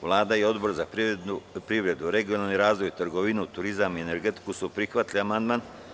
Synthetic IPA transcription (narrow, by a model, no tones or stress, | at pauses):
ʋlˠaːd̪aio̞d̪bo̞ɾza | pɾiʋɾe̞d̪uɾe̞ɡio̞nalniɾaːzʋo̞jit̪ɾɡoʋinut̪uɾizamiene̞ɾɡe̞t̪i̥kusupɾixʋat̪liamand̪man